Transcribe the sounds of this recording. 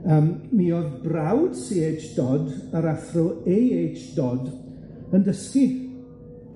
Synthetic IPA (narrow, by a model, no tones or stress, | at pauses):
əmmiːɔðbrawd̥siːet͡ʃd̥ɔdəɾaθrɔejeːt͡ʃd̥ɔd | əndəski